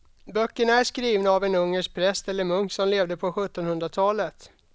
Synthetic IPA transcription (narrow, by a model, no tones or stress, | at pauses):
bœkːəɳæʂkɾiːvnaːvɛnɵŋːəʂk̚pʰɾɛst̪ɛlːəɾmɵŋksɔmleːvd̪əpʰɔɧɵt̪ːɔnhɵnd̪ɾat̪ʰɑːlət̪